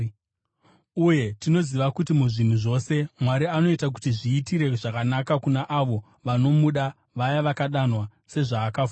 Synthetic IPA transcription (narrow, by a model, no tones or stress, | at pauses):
uje̞tino̞ziʋakutimuʐin̤uʐo̞se̞mwaɾiano̞itak̬utiʐiːtiɾe̞ʐakanakakunaʔaʋo̞ | ʋano̞muɗa | ʋajaʋakaɗanwase̞ʐaːkafu